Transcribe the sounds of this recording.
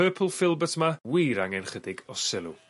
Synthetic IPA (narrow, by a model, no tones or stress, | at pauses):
ɜːpʰəl̩ˠfɪlˠbətʰmawiːɾaŋɛnχədɪɡɔsɪlˠṵ